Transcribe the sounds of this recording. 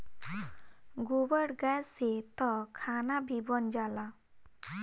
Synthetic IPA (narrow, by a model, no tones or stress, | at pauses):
ɡubəɽɡaset̪ɔkʰanabʱibɔnd͡ʒala